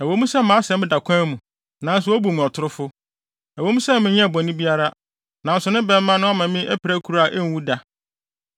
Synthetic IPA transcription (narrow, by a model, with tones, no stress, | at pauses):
ɛ˨wo˦mũ˦sɛ˦mã˨˦sɛ̃˨˦ɪ̃˦da˨kʷʰã˦mũ˨ | nã˨˦n̩˦s̬ʊ˦o˦bu˨mũ˨ɔ˨tʰʊ˦ɾʊ˦fʊ˦ | æ˨wo˨˦mũ˦sɛ˦mɪ̃˨ɲɛ̃˦˨bɔ̃˨nĩ˦bi˦a˦ɾa˦ | nã˨n̩˨sʊ˨nʊ̃˦bɛ˦mː˦ã˦nʊ̃˦ɔ˦mã˨mɪ̃˦ʔɛ˦pʰɪ˨ɾæ˦kʰu˨ɾa˨ʔɛ˦n̩˨˦wu˦da˨